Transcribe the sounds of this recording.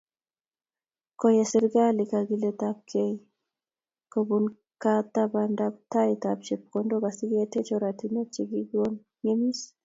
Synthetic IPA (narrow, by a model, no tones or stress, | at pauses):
kɔjɛsɪɾɡalikaɡiletap̚kʰei | kobun | kat̪abandap̚taitapt͡ʃep̚kondokasiɡɛtet͡ʃɔɾatinat͡ʃiɡiɡwon | ɲemis